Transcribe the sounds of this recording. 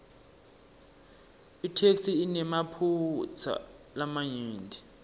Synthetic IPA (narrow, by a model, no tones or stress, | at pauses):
itʰeksiːnɛmapʰut͡sʰa̰ | lamajiːndʱi